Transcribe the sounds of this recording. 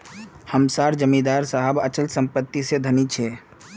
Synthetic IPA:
həmsaɾd͡ʒəmid̪aɾsaɦəbət͡ʃəlsəmpət̪ːised̪ʱənit͡ʃʰɛ

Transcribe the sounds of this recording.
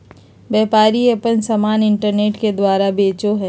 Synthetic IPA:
bɛːpaːɾiepənsɐmaːnɪɳʈəɾneːʈked̪waːɾabeːt͡ʃoɦɛ

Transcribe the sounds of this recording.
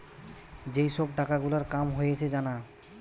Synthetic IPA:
d͡ʑejʃɔb̚ʈakaɡulaɾkamɦojet͡ɕʰed͡ʑana

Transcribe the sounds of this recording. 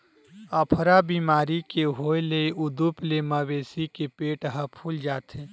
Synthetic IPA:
əpʰɾabiːmaːɾikeɦoeleʔʊd̪upleməbeːsikepeːʈɦəpʰuld͡ʒaːt̪ʰeː

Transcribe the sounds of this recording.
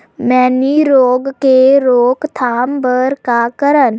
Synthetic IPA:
mɛːniɾoːɡkeɾoːkt̪ʰaːmbəɾkakəɾən

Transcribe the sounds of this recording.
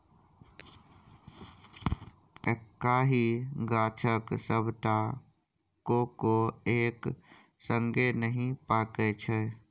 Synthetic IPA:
ekːaːɦiɡaːt͡ʃʰəksəbʱʈa | kokoeːk | sə̃ŋɡenəɦĩpaːket͡ʃʰe

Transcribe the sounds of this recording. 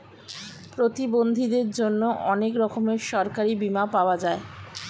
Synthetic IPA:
pɾot̪ibond̪ʱid̪eɾd͡ʑonːoʔɔnekɾɔkomeʃɔɾkaɾibimapaoad͡ʑae

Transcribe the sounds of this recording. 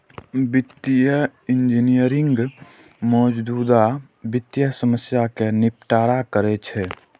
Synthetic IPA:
bɪt̪ːijəɪnd͡ʒinijəɾɪ̃ŋɡ | mɔːd͡ʒd̪uːd̪a | bɪt̪ːjəsəməsjakenɪp̚ʈaːɾakəɾɛt͡ʃʰɛ

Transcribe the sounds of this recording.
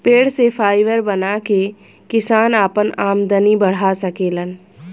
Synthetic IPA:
peːɽsefʰaːɪʋəɾbɐnaːke | kɪsaːnaːpənaːmd̪ənibɐɽ̤asɐkeːlən

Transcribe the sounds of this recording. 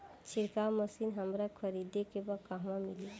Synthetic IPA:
t͡ʃʰiɾkawməsinɦəmɾakʰəɾid̪ekebakaɦmãmili

